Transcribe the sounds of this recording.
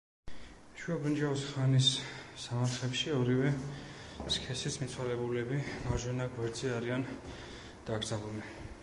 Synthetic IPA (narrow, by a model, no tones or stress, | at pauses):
ʃuabɾind͡ʒavɔsχanisːamaɾχɛpʃiɔɾivɛ | skʰɛsismit̪sʰwalɛbulɛbimaɾʒwɛnaɡwɛɾd̪ziaɾian | d̪̥aɡɾzabuli